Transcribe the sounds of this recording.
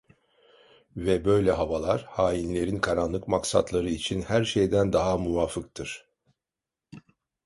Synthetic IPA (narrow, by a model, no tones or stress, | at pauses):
vɛbø̞jlʲɛɦavalˠaɾ̥haːjinlʲe̞ɾinkʰaɾanlˠɯkmaksa̰t̪lˠaɾɯit͡ʃʰinhæɾʃe̞jd̪ænd̪aɦamuvaːfɯk̚t̪ʰɯɾ̥